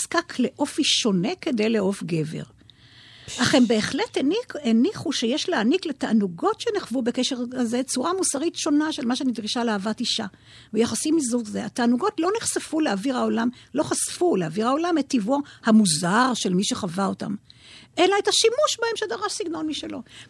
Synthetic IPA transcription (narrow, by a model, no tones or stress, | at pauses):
skakʰle̞ʔo̞fiʃo̞ne̞ke̞de̞jleo̞fɡe̞ve̞̰ʁ | aχe̞mbe̞ːχle̞teeniχuʃejeʃleanikletaʔːnuɡo̞tʃeneχvube̞keʃe̞ʁazet͡suʁamusaʁitʃo̞naʃelmaʃ̬eanid̪ʁiʃaleaːvatiʃa | bejaχasimizuzeataːnuɡo̞tlo̞niχsefuleaviʁao̞lamlo̞χasfuleaviʁao̞lametːivoʁhamuzaʁʃe̞lmiʃe̞χavaota̰mʔe̞laetaʃimuʃbahe̞mʃedaʁaʃsiɡno̞nmiʃelo̞